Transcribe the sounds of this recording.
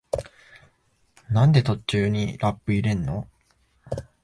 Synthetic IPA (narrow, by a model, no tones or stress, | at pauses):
nãnd̪e̞t̪o̞t͡ɕɨːɲ̟iɾapːɯ̟iɾẽ̞nːo̞